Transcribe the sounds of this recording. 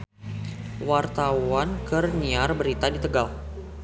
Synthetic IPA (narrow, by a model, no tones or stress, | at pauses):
wart̪awankərniarbəɾit̪adit̪əɡal